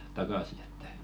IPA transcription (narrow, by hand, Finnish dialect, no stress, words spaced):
tɑkɑˑsi e̥tːæ̥